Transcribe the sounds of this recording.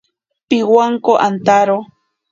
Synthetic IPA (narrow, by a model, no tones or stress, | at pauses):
piwaŋkoʔant̪aɾo